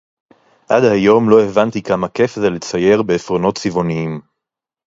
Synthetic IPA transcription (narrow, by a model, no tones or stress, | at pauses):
ʔad̪hajo̞mlo̞evant̪ikamake̞fzelet͡saje̞ʁbe̞ːfʁono̞tt͡sivo̞niim